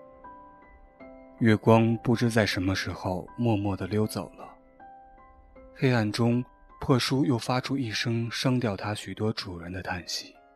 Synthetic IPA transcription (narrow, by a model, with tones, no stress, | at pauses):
ɥɛ˥˩kwɑ˥ŋpu˥˩ʈ͡ʂɻ̩˥t͡sa˥˩ɪʂə˧˥nmə˧ʂɻ̩˧˥xo˥˧ʊmwɔ˥˧mwɔ˥˩d̪ə˩ljo˥ʊt͡so˨˩ʊlə˦ | xe˥ɪa˥˩nʈ͡ʂʊ˥ŋ | pʰɤ˥˩ʂu˥jo˥˩ʊfa˥ʈ͡ʂʰu˥i˥˩ʂɤ˥ŋʂɑ˥ŋt̪jɑ˥˩ʊt̪ʰa˥ɕy˨˩t̪wɔ˥ʈ͡ʂu˨˩ɻə˧˥nd̪ə˧t̪ʰa˥˩nɕi̥˧˥˩